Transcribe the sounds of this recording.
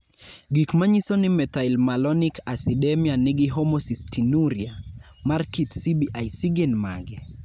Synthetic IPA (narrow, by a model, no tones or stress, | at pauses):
ɡikmaɲisɔnimɛt̪ailmalɔnikasiɗɛmianɪɡiɦɔmɔsistinuɾjamaɾkitsibiʔajsiɡɛnmaɡɛ